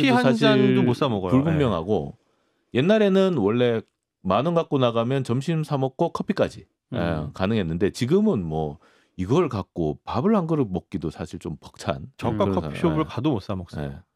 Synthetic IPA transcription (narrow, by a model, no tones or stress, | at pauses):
iansaɕʰidomos͈amʌɡʌjuɭbummjʌŋɦa̰ɡo | je̞nːaɾe̞nɯnwʌɭːe̞ | manɯŋɡak̚k͈onaɣamjʌnt͡ɕʌmɕʰimsʰamʌk͈okʰʌpʰik͈ad͡ʑi | ekanɯŋɦe̞nːɯnde̞t͡ɕiɡɯmɯnmwʌ | iɡʌɭkak̚k͈opabɯɭhaŋɡɯɾɯmʌk̚k͈idosʰaɕʰiɭt͡ɕompʌk̚t͡ɕʰa̰nt͡ɕʌkk͈akʰʌsʰaiobɯɭkadomos͈amʌk̚s͈ḛ